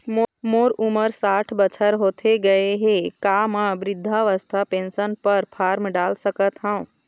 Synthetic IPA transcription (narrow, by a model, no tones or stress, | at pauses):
moːɾuməɾsaːʈʰbət͡ʃʰəɾɦoːt̪ʰeɡəeɦekaːmãbɾɪd̪ʱːaʋəst̪ʰapẽːnsənpəɾpʰaːɾmɖaːlsəkət̪ɦã